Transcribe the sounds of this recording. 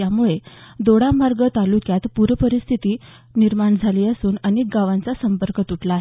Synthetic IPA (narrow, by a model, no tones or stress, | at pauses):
jamuɭed̪oɽamaɾɡət̪alukjat̪puɾəpəɾist̪ʰit̪iː | niɾmaɳd͡zʱaliːəsuːnənek̚ɡaʋãnt͡sasəmpəɾkət̪uʈʰlaːɦe